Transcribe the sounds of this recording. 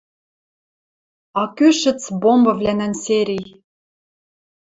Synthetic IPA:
ɑkyʃɘ̆t͡sbombɤ̆vlænænseɾʲij

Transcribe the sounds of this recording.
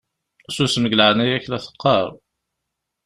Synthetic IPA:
susməɡləʕnæjæçlæθə̥qːɑɾˤ

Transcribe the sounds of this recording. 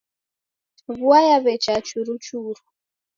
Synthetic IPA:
βuajaβɛt͡ʃat͡ʃuɾut͡ʃuɾu

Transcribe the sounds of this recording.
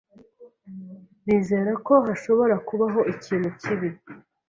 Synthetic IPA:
niːze̞ːɾako̞ɦaʃo̞βo̞ɾakuβaɦo̞ʔiciːn̥huciβi

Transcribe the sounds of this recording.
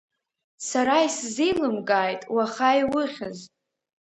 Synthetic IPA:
saɾaiszijlɨmɡʼaːjtʼwaχajwɨχʲaz

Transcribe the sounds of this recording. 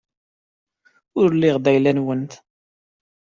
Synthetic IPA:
ʊɾlɪʁðæjlænwənt̪

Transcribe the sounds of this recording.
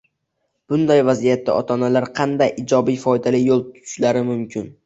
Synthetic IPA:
b̥ʊnd̪ajvazijat̪ʰːa̰ʔɒt̪ʰɒnalaɾqʰɑnd̪ajʔɪd͡ʒɒbijfɒjd̪alɪjolˠt̪ʰʊ̥ʃlaɾɪmʊmkʰʲɪn

